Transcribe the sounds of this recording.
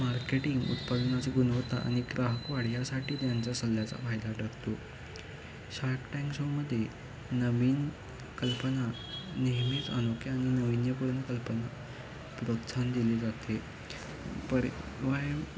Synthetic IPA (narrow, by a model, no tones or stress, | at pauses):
maɾkeʈiŋɡṵt̪pad̪nat͡seɡunəʋt̪a̰ʔa̰ɽ̃iɡɾaɦəkʋaɽ̤jasaʈiːt̪jant͡sasəlːjat͡sa̰pʰajd̪aɖəɡt̪o | ɕaɾkʈaŋɕoməd̪ʱːje | nəʋiːn | kəlpəna | neɦmiːt͡sa̰nokːiaɽ̃inəʋinjəpuɽnəkəlpəna | pɾok̪sand̪iled͡zat̪e | pəɾʋaj